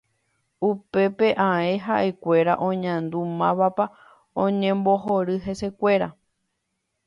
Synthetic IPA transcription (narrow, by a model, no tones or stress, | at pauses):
upe̞pe̞ʔãẽɦaʔe̞kʷe̞ɾaʔõ̞ɲãnd̪umãβapa | õɲẽmboɦoɾɨɦe̞se̞kʷe̞ɾa